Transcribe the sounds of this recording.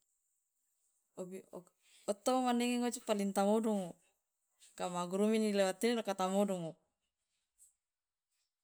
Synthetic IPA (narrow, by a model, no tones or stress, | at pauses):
obi | ɔt̪ːoomanɛŋeŋot͡ʃipalint̪amodɔŋo | kamaɡɾuminilewat̪ːininokat̪amodɔŋo